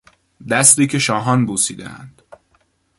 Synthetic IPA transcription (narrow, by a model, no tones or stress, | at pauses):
d̪æst̪iːcʰe̞ʃɒːɦɒnbuːsiːd̪ḛæ̰nd̪̥